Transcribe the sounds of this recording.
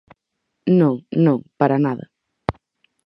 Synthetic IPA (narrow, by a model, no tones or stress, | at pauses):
nõŋnõŋpaɾanaðɐ